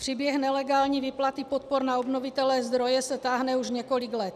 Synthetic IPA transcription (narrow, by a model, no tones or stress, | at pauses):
pr̥ibjɛɦnɛlɛɡaːlɲiːvɪplat̪ɪpot̪̚poɾnaobnovɪt̪ɛlɛːzd̪ɾo̞jɛsɛt̪aːɦnɛuʒɲɛko̞lɪɡlɛt̪